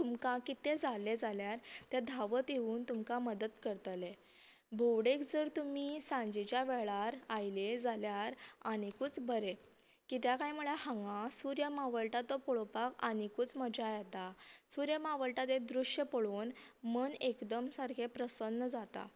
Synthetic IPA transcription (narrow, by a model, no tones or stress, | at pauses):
t̪umkakit̪ed͡zaled͡zaljaɾt̪jad̪ʱaʋət̪jeuːnt̪umkaməd̪ət̪kəɾt̪le | bʱuwɽekd͡zəɾt̪umiːsãɲd͡ʑit͡ɕjaʋeɭaɾajled͡zaljaɾaɽ̃ikut͡sbəɾe | kit̪̬jakajm̤uɭahãŋɡãsuɾjəmaʋəɭʈat̪ɔpɔɭopakañikut͡sməd͡ʑajet̪asuɾjəmaʋəɭʈat̪ed̪ɾuʂjəpəɭoːnmənekd̪əmsaɾkʰepɾəsənːəd͡zat̪a̰